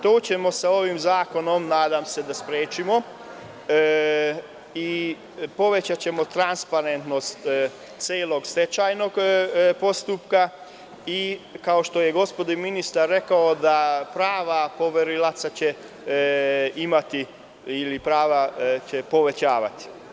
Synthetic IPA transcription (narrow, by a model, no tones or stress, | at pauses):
t̪oːt͡ɕe̞mo̞sao̞ʋimzaːko̞no̞mnaːd̪aːmse̞d̪aspɾeːt͡ʃimo̞ | i | po̞ʋet͡ɕat͡ɕe̞mo̞t̪ɾanspaɾe̞nt̪no̞st̪ | t̪seːlo̞ɡst̪et͡ɕaːjno̞ɡpo̞st̪upka | ikao̞ʃt̪o̞jeɡo̞spod̪ominist̪aɾːe̞kaod̪apɾaːʋapo̞ʋeɾilat̪sat͡ɕe | imat̪i | ilipɾaːʋat͡ɕepo̞ʋe̞t͡ɕaːʋa̰t̪i̥